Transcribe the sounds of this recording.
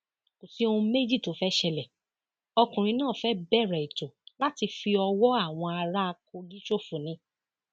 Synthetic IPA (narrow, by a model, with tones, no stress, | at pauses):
ko˨si˦o˧ũ˧me˦d͡ʒi˦˨to˨˦fɛ˦ʃɛ˧lɛ˨ | ɔ˧kũ˨ɾ̃ĩ˧˦nãː˦˨fɛ˦bɛ˦˨ɾɛ˨i˨to˨la˦ti˧fi˧ɔ˧wɔ˦a˦˨w̃ɔ̃˧a˧ɾa˦a˧ko˧ɡi˦ʃo˦˨fu˨nĩ˨˧˦